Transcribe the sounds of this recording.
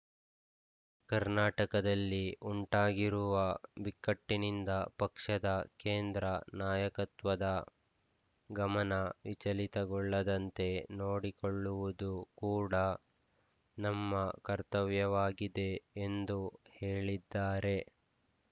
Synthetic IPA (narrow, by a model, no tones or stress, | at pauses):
kɐɾnaːʈɐkɐd̪ɐlːiʔuɳʈaːɡiɾuʋɐbikːɐʈːinind̪ɐpɐkʂɐd̪ɐkeːnd̪ɾɐnaːjɐkɐt̪ʋɐd̪ɐ | ɡɐmɐnɐʋit͡ʃɐlit̪ɐɡɔɭːɐd̪ɐnt̪e̞noːɽikoɭːuʋud̪ukuːɽɐ | nɐmːɐkɐɾt̪ɐʋjɐʋaːɡid̪e̞ːnd̪uhe̞ːɭid̪ːaːɾe̞